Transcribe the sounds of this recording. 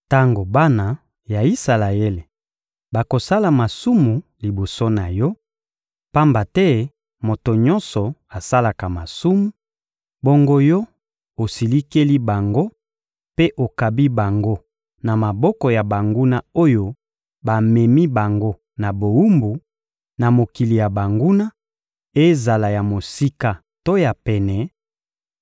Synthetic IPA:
ta˦ŋɡo˨ba˦na˨ | ja˨i˦sa˨la˨e˦le˨ | ba˨ko˨sa˦la˨ma˨su˦mu˨li˨bo˨so˦na˨jɔ˦ | pa˦mba˨tɛ˦ | mo˨to˨ɲɔ˦nsɔ˨a˨sa˦la˨ka˨ma˨su˦mu˦ | bo˦ŋɡo˦jɔ˦ | o˨si˨li˦ke˦li˦ba˨ŋɡo˦ | pe˦ʔo˨ka˨bi˦ba˨ŋɡo˦ | na˨ma˨bɔ˦kɔ˨ja˨ba˨ŋɡu˦na˦o˦jo˦ | ba˨mɛ˨mi˦ba˨ŋɡo˦ | na˨bo˨wu˦mbu˨ | na˨mo˨ki˨li˨ja˨ba˨ŋɡu˦na˦ | e˦za˨la˨ja˨mo˨si˦ka˦ | to˦ja˨pɛ˨nɛ˨

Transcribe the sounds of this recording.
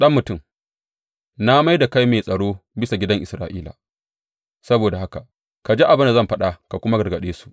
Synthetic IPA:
ɗɐ˦mːʊ˨tʊ˦˨m | na˦ma˦jda˨ka˦jmeː˨sʼɐ˨ɽoː˦bɪ˦sa˨ɡʲɪ˦dɐ˦ŋʔɪ˨sɾaː˨ʔiː˦la̰˨ | sɐ˦boː˨da˨ɦa˦ka˨ | ka˨d͡ʒe˦ʔa˨bɪ˦nda˨zɐ˦˨mɸɐ˦ɗa˨ka˨kʷʊ˦ma˦ɡɐ˨rɡɐ˨ɗeː˦su̥˨ʔ

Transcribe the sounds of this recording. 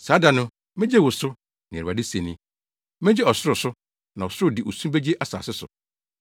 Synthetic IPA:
saː˨˦da˨nʊ̃˦ | mɪ̃˦d͡ʑɛ˦wʊ˨sʊ˦ | nɪ̃˨ɾa˨dɪ˦sẽ˨nĩ˦ | mɪ̃˦d͡ʑɛ˦ɔ˨sʊ˦ɾʊ˨sʊ˦ | nã˨ɔ˨sʊ˦ɾʊ˦dɪ˨ʔo˨su˦be˦d͡ʑi˦e˦ʔa˨sa̰ː˨sɪ˦sʊ̰˨

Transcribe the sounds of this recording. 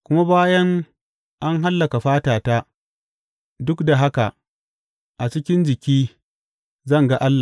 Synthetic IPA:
kʷʊ˦ma˦baː˦jɐ˦ŋ | ʔa˦ŋɦa˦lːɐ˨ka˨ɸaː˦taː˨taː˦ | dʊ˦kda˨ɦa˦ka˨ | ʔa˨t͡ʃɪ˦kʲɪ˦nd͡ʒɪ˨kʲiː˦ | zɐ˦˨ŋɡa˦ʔa˦lːa˨

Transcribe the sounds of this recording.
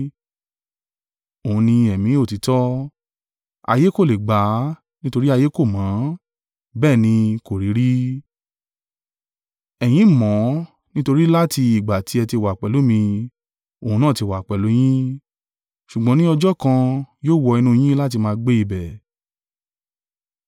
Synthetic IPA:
o˨ũ˨˧nĩ˧ɛ˨mĩ˨˦o˦˨ti˨˦tɔ˦ | a̰˧je˦ko˦˨le˨ɡ͡ba˨˦ | nĩ˦to˧ɾi˦a˧je˦ko˦˨mãː˨˦ | bɛː˦˨nĩ˧ko˨ɾi˨˦ɾi˦ | ɛ˨j̃ĩ˨˦mɔ̃˨˦ | nĩ˦to˧ɾi˦la˦ti˧i˨ɡ͡ba˨ti˨˦ɛ˧ti˧˨wa˨k͡pɛ˨lo˨˦mĩ˧ | o˨ũ˧nã˦˨ti˧˦˨wa˨k͡pɛ˨lo˨˦j̃ĩ˦ | ʃu˨ɡ͡bã˨˦nĩ˦ɔ˧d͡ʒɔ˦kã˧joː˦˨wɔ˧i˧nũ˦˧j̃ĩ˦la˦t̬i˧mãː˧ɡ͡be˦i˧bɛ˨

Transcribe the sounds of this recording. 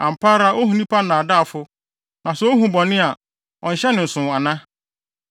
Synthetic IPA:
ã˨m̩˨pʰa˦ɾa˦ʔo˦ɦũ˨nĩ˦pʰa˦nã˨da˦˨fʊ˦ | nã˨sɛ˦o˦ɦũ˨bɔ˨nɪ̃˦a˨ | ɔ̃˨n̩˨ɕɛ˦nɪ̃˨n̩˨sʊ̃˨a˨nã˦

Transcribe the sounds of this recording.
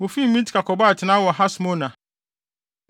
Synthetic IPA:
o˨fi˦m̩˨mĩ˦tʰi̥˨kʰa˨kʰɔ˨ba˦˨tʰɪ˨nã˦wɔ˨ɦa˦sʊ˨mõ˦nã˨

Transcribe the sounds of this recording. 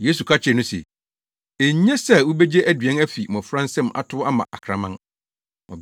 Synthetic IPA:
jeː˦su˨kʰa˦t͡ɕʰɪ˨nʊ̃˦sḛ˨ | e˨ɲ˦ɲɛ̃˦sɛ˦wu˦be˦d͡ʑe˦ʔæ˦dɥɛ̃˦næ˦fi˨mɔ̃˨fɾã˦n˦sɛ̃˦mʔa̰˦tʰʊ˦a˦mã̰˨ʔa˨kʰɾã˨mã˦n | ɔ̰̃˨

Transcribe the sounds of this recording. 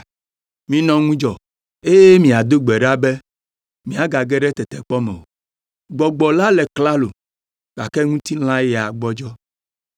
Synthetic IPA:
mĩ˨nɔ̃˨ŋũ˦d͡ʒɔ˨ | e˦je˦mĩ˨a˨d̪o˦ɡ͡bɛ˨ɖa˦bɛ˦ | mĩ˨˦a˨ɡa˨ɡɛ˦ɖɛ˦t̪ɛ˨t̪ɛ˨k͡pɔ˦mɛ̰̃˨o̰˨ | ɡ͡bɔ˨ɡ͡bɔ˨la˦lɛ˨kla˦lo̰˨ | ɡa̰˨kɛ˦ŋũ˦t̪i˦l̃ã˦jɛ˨a˨ɡ͡bɔ˦d͡ʒɔ˦

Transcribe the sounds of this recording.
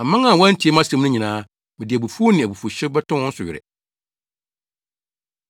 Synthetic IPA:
ã˨mã˦ŋã˦˨wã˦n̩˦tʰi˨˦e˦mã˦sã˨˦m˦nʊ̃˦ɲĩ˨nãː˦ | mɪ̃˨dɪ˨æ˨bu˨fu˦nɪ̃˨æ˨bu˨fu˨ɕɪ˦bɛ˦tʰʊ̃˦ʊ̃˦n̩˦sʊ˨ɥɪ˨ɾɛ̰˨

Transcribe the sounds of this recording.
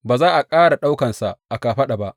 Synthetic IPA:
baː˨zaː˦ʔa˨kʼaː˦ɽa˨ɗa˦wkɐ˨nsa˨ʔʔa˨kaː˨ɸɐ˦ɗa˨ba˦ʔ

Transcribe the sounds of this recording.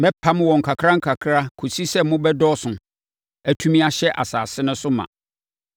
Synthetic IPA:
mɛ̃˦pʰã˦m˦wɔ̃˨ŋ̩˨kʰa˨kʰɾa˦ŋ̩˦kʰa˨kʰɾa˦kʰu˨si˦sɛ˦mʊ̃˦bɛ˦dɔ˦sʊ̃˨ | æ˦tʰũ˦mĩ˦a˦ɕɛ˦ʔa̰˨saː˨sɪ̃˦nʊ̃˦sʊ˦mã̰˨

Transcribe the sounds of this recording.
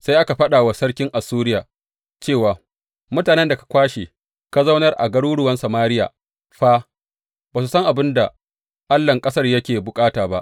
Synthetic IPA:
sa˦jʔa˦ka˨ɸɐ˦ɗaː˨wa˦sɐ˦rkʲɪ˦ŋʔa˨suː˦ɾɪ˦jaː˨ | t͡ʃeː˦˨waː˨ | mʊ˦taː˨nɛ˦nda˨kḁ˨kʷaː˦ʃe˨ | ka˦zɐ˦wnɐ˦rʔa̰˨ɡɐ˦ɽuː˦ɽʊ˦wɐ˦nsɐ˨maː˦ɾɪ˦ja̰ː˨ | ɸaː˦ | baː˨su˨sɐ˦ŋʔa˨bɪ˦nda˨ | ʔa˦lːɐ˨ŋkʼɐ˦sɐ˦rjɐ˦kʲeː˨bʊ˨kʼaː˦taː˨ba̰˦ʔ

